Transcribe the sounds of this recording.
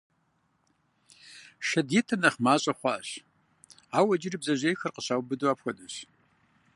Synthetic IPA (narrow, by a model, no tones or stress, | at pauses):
ʃɐdiːtʰɨnɐχmaːɕʼɐχʷɑːɕ | aːwɐd͡ʒɪribzɐʑejxɐrqəɕaːwbɨdwaːpxʷɐdʼɨɕ